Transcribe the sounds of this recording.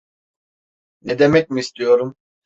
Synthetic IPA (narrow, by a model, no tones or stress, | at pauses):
nɛd̪emɛc̚ʲmiːst̪ʰijo̞ɾum